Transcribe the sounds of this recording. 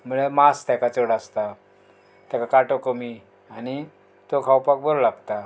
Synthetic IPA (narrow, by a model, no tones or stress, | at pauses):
m̤uɭemast̪jakat͡soɽast̪a | t̪jakakaʈokəmi | añi | t̪okʰawpak̚bəɾlaɡt̪a